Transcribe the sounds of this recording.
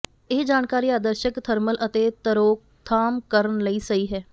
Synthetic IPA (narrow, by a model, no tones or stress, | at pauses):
eːd͡ʒaːnkaːɾiːaːd̪əɾʃəkt̪ʰəɾməlʔət̪eːt̪əɾoːk̚t̪ʰaːmkəɾənləiːsəiːɦɛː